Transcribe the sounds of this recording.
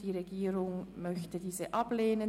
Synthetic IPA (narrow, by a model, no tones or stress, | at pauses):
d̥iːʁeɡiːʁʊŋmœçtədiːzəʔɑbleːnə